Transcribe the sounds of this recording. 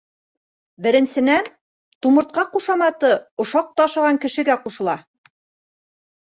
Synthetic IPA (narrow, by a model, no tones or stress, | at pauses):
bɘ̆ɾɘ̆nsɘ̆næn | t̪umɤ̆ɾt̪̚qɑquʃɑmɑt̪ɤŏʃɑq̚t̪ɑʃɤ̆ʁɑŋkɘ̆ʃɘ̆ɡæquʃɤ̆lˠɑ